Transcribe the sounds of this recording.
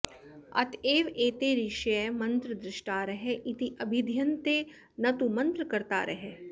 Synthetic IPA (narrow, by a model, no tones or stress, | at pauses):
ɐ̰t̪ʰeːʋeːt̪eːɾiʃjemɐ̃nt̪ɾəd̪ɾɪʃʈaːɾɐɦeʔɪt̪iʔɐbʱɪd̪ʱjɐnt̪eː | nɐt̪umɐ̃nt̪ɾəkɐɾt̪a̰ːɾʔɐɦeː